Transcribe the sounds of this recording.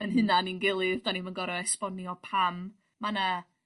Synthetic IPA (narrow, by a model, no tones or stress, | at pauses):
ənɦɨnaninɡɪlˠɨvd̥animanɡɔɾɔɛspɔniɔpʰamː | ana